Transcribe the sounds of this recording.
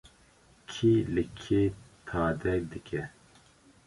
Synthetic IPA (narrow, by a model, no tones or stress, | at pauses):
kʰilɨkʰeːt̪ʰaːd̪ɛk̚d̪ɨkʰɛ